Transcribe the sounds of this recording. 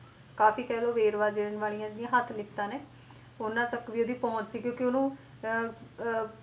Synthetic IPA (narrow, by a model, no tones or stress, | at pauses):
kaːfiːkɛːloːʋeːɾʋaːd͡ʒeːɾənʋaːlijãːnĩjãːɦət̪ʰlɪkt̪ãːneː | onãːsəkʋiːoːd̪iːpɔ̃ːt͡ʃsiːkjõːkɪoːnũː